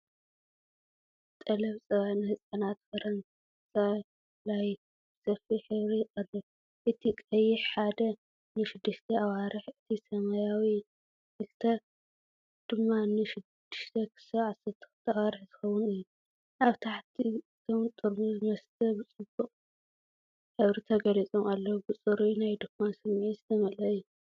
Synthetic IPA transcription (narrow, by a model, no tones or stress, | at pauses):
t̪ʼɐlɐβsʼɐβanɨhɨsʼɐnat̪fɐɾɐn | sʼɐ | laj | bsɐfiħɨβɾijkʼɐlɨβ | ʔɨt̪ʰikʼɐjːɪħħad̪ɐ | nɨʃɪd̪ːɨʃt̪ʰɐʔawaɾɨħɨt̪ʰisɐmɐjawi | kɨlt̪ʰɐ | d̪̥ɨmːanɨʃɪd̪ːɨʃt̪ʰɐkʰɨ̥sɐʕasɐɾt̪ʰɨ̥xɨt̪ʰawaɾɨħz̥ɨxɐwʊnɨjːu | ʔaβt̪ʰaħt̪ʰi | t̪ʰomt̪ʼɨɾbuzɨmɐst̪ʰɐbɨt͡sʼɨbuqʼ | ħɨβɾit̪ʰɐɡɐlit͡sʼomalːɐwbɨt͡sʼɨɾinajd̪okmansɨmːiʕizɨt̪ʰɐmɐlɐɨjːu